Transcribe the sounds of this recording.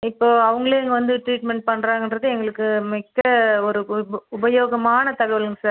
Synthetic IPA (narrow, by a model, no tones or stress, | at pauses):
ɪpːoːɐʋɐŋɡɐɭeːɛŋɡɐʋɐnd̪ɯʈɾiːʈmɛɳʈ̚pɐɳːɾaːŋɡɛndrɐðɯɛŋɡɐɭɯkːɯmɪkːɐɔɾɯʊbɐjoːɣɐmaːnɐt̪ɐɣɐʋɐlɯŋɡɐsaːɾ